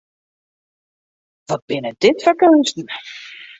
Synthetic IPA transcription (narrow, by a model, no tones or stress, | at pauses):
ʋɔt̚b̥ɪnəd̥ɪtfɔɹkønstn̩